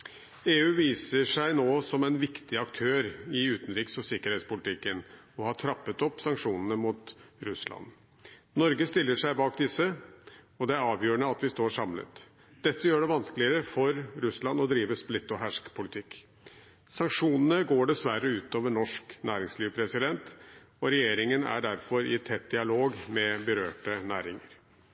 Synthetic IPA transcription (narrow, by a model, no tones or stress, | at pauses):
eːʉːʋiːsəʂæɪnoːsɔmæɪnʋɪkt̪ɪɑkt̪ʰøːɾɪʉːt̪n̩ɾiːksɔsɪkəɾheːt̪spʊlɪt̪ʰɪkːən | ɔhɑʈʰɾɑpːət̪ɔpːsɑŋkʂuːnənəmuːt̪ɾʉslɑ̰n | nɔɾɡəst̪ɪlːəʂæɪbɑːk̚d̪ɪsːə | ɔd̪ɛæɾɑːʋjøːɾəɳəɑt̪ʋɪst̪oːɾʂɑmlə̰t̪ | d̪̥ɛt̪ːəjøːɖɛʋɑnskəlɪəɾəfɔɾɾʉslɑnɔd̪ɾiːʋəsplɪt̪ːɔɦæʂkpʰʊlɪt̪ʰɪkː | sɑŋkʂuːnənəɡoːɖɛsʋæɾəʉːt̪oːʋəɳɔʂknæːɾɪŋsliːʋəpʰɾɛsɪd̪ɛnt̪ | ɔɾɛjeːɾɪŋənæ̰ɖæɾfɔɾɪt̪ʰɛt̪̚d̪ɪɑloːɡmɛbəɾøːʈənæ̰ːɾɪŋəɾ